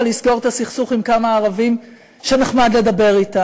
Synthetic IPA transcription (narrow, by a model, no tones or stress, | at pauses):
lisɡo̞ʁet̪asiχsuχimkamaːʁavim | ʃene̞χmad̪le̞d̪abe̞ʁita